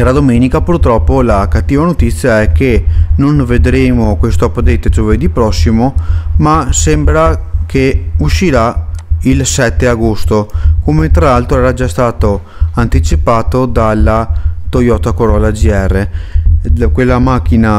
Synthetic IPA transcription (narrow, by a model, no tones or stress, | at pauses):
ɾad̪omeːnikapurt̪ɾɔpːolakat̪ːiːvanot̪it̪sːjaɛkːenonved̪ɾeːmokwest̪oapːad̪et̪ːed͡ʒoved̪ipɾɔsːimomasembɾakeuʃːiɾailsɛt̪ːeaɡost̪okomet̪ɾalalt̪ɾoɛːɾad͡ʒast̪aːt̪o | ant̪it͡ʃipaːt̪od̪alːat̪ojɔːt̪akoɾɔlad͡ʒiɛrːe | kwelːamak̟ːina